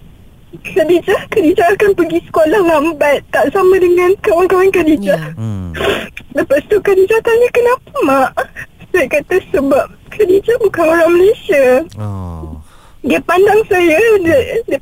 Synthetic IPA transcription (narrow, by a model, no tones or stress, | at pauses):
kʰadid͡ʒahkadid͡ʒaakanpəɡisə̥kolahlambat̪ːaʔsamãdəŋãnkawankawankadid͡ʒa | dapatst̪ukadid͡ʒak̪alɲakənãpamaʔsajakat̪asəbap̚kʰadid͡ʒabukanoɾaŋməlesia | diapandaŋsajadəd